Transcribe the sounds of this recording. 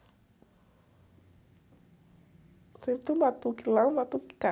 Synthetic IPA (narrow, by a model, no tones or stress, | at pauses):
t̪it̪umat̪ukilawmat̪uki̥ka